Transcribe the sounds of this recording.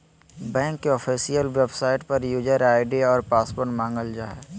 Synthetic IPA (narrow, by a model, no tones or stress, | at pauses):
bɛ̃ːŋkːeɔːfʰiːsijəlʋebsaːɪʈpɐɾjuːd͡ʒəɾaːɪɖiɔːɾpaːspoːɾʈmãːŋɡəld͡ʒaːɦɛː